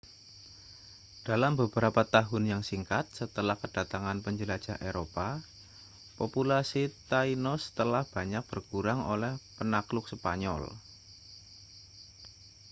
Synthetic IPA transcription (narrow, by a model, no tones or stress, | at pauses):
d̥alambəbəɾapat̪aɦʊnjaŋsiŋkat̪̚sət̪əlahkəd̥at̪aŋanpəɲd͡ʒəlad͡ʒ̥aɦʔeɾopa | populasit̪ainɔst̪əlahb̥a̤ɲak̚b̥ərkuɾaŋo̰lɛhpənaklʊk̚səpa̰ɲɔ̰l